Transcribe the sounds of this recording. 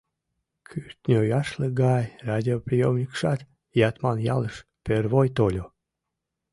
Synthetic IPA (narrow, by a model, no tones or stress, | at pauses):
kʰyrt̪ʲnʲojɑʃləɡɑjrad̪ʲiopɾʲijomnʲikʃɑt̪ | jɑt̪mɑnjɑləʃpørvojt̪olʲo